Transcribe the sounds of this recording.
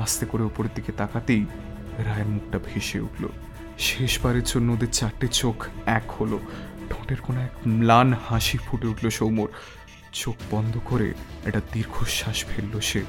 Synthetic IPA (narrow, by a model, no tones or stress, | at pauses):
ast̪ekoɾeupoɾed̪ʱiket̪akat̪ej | ɾaeɾmuk̚ʈabʱeʃeṵʈlo̰ | ʃeʃbaɾeɾd͡ʑonːood̪eɾt͡ɕaɾʈet͡ɕokɛkholoɖʱõʈeɾkonoɛkmlanhaʃifuʈeuʈloʃowmoɾ | t͡ɕokbɔnd̪ʱokoɾḛḛʈad̪iɾɡʱoʃaʃpʰelːoʃe